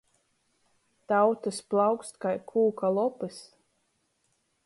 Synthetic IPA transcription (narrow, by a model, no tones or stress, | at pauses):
t̪awt̪ɨsplˠawkst̪kajkʰuːkalˠɔpɨs